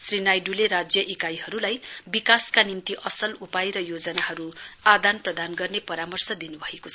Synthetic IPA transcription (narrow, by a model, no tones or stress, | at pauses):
srinajɖuleɾad͡zjʌʔikajɦʌɾulajbikaskanimt̪iʔʌsʌlupajɾʌjod͡zʌnaɦʌɾuad̪anprʌd̪anɡʌrnepʌɾamʌrsʌd̪inubʱʌekot͡sʰʌ